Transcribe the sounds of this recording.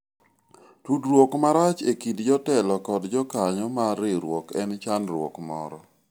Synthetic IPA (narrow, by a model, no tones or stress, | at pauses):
tudɾwokmaɾat͡ʃekidd͡ʒɔtɛlɔkɔdd͡ʒɔkaɲɔmaɾɪɾwɔkɛnt͡ʃanɾwɔ̰kmɔ̰ɾɔ